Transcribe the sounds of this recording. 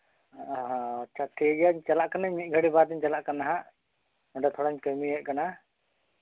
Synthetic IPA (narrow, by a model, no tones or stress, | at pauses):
aɦãat͡ʃʰaʈʰijaɲt͡ʃalaʔkanaɲmit̪c̚ˀɡʱəɽibat̪ɛɲt͡ʃalaʔkanaɦaʔ | ɔɖɛt̪ʰɔɽaɲkəmiɦɛʔ̚ˀkana